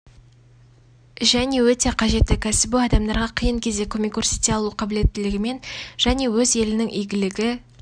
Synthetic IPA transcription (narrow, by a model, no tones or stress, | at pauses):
ʒæne̞wɵt̪e̞qʰɑʒe̞t̪ːɪkʲʰæsɪbɪɑd̪ɑmd̪ɑɾʁɑqʰijəɴkʲʰe̞zd̪e̞kʲʰɵmʲekursit̪eɑlˠuqʰɑbɪle̞t̪ːɪlɪɡʲɪme̞nʒ̥æne̞wɵze̞lɪnɪŋʔijɡʲɪlɪɡʲɪ